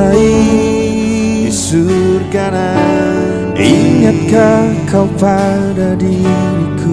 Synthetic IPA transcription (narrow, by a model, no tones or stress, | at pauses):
ai | surkana | ʔiŋat̪̚kakʰawpa | dadi | nikʰu